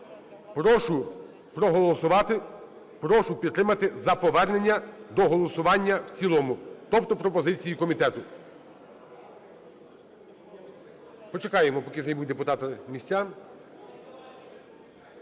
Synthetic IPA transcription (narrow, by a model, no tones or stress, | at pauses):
pɾɔʃʊ | pɾɔɦɔlˠɔsʊʋɑt̪ɪ | pɾɔʃʊpʲid̪̚ːɾɪmɐt̪ɪzɐpɔʋɛrne̞nʲːɐd̪ɔɦɔlˠɔsʊʋɑnʲːɐwt͡sʲilˠɔmʊt̪ɔpt̪ɔpɾɔpɔzɪt͡sʲijikɔmʲit̪ɛt̪ʊ | pɔt͡ʃekɑjemɔpɔkʲɪzɐjbud̪epʊt̪ɑt̪ɐmʲisʲt͡sʲːa